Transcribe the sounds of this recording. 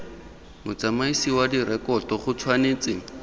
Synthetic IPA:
mʊt͡samaisiwadiɾɛkɔtɔχʊt͡sʰwaneːt͡sɪ

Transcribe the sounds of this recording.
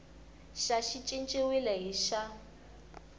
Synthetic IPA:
ʃaʃit͡ʃʼint͡ʃʼiwilɛɦiʃa

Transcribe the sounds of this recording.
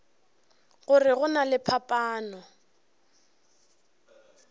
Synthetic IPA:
ɣʊrɪɣʊnalɪpʰapʼaːnɔ

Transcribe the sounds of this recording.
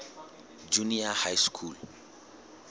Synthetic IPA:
d͡ʒuniahajskʰul

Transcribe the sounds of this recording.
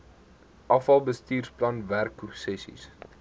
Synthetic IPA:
ʔɐfɐlˠbəstiːrsplɐnværkːusɛsḭs

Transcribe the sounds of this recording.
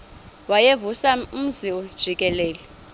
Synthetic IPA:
wajevusam̩ziɔd̥ʒ̥ʱikʼɛlɛːlɛ

